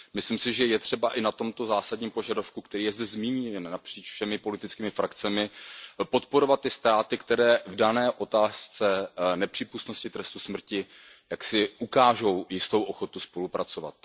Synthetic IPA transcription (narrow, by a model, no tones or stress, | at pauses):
mɪslɪmsɪʒɛjɛt̪r̝̥ɛbaʔɪnat̪o̞mt̪o̞zaːsadɲiːmpo̞ʒadofkukt̪ɛɾiːjɛzdɛzmiːɲinnapr̝̥iːt͡ʃfʃɛmɪpo̞lɪt̪ɪt͡skiːmɪfɾakt͡sɛmɪpo̞t̪po̞ɾo̞vat̪̚ːɪst̪ɾaːt̪ɪkt̪ɛɾɛːvdanɛːʔo̞t̪aːst͡sɛnɛpr̥iːpust̪no̞scɪt̪ɾɛst̪usmr̩cɪ | jaksɪʔukaːʒo̞wjɪst̪o̞wʔoxo̞t̪uspo̞lupɾat͡so̞va̰t̪̚